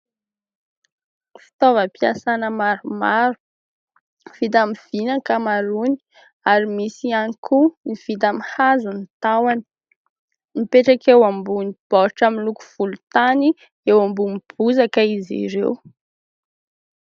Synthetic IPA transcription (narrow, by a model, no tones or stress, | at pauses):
fi̥t̪ovəpiasanəmaɾumaɾu̥ | v̥it̪amiv̥inakamaɾuni̥ | aɾimisianikʰuniv̥it̪amihazunit̪awani̥ | mipeʈ͡ʂakewambunib̥ɔɾʈ͡ʂamiluku̥v̥ulut̪ani | ewambumib̥uzakəizḭɾḛw